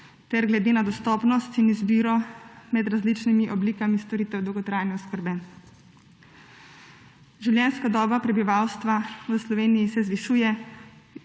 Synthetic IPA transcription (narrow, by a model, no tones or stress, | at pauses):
t̪ɛɾɡlɛd̪eːnad̪ɔst̪ɔːpnɔst̪inizbiːɾɔmɛd̪ɾazlit͡ʃnimiʔɔbliːkamist̪ɔɾiːt̪ɛwd̪ɔwɡɔt̪ɾaːjnɛɔskəɾbɛ | ʒiwljɛnskad̪ɔːbapɾɛbiʋawst̪ʋaʋəslɔʋeːnijisɛzʋiʃuːjɛ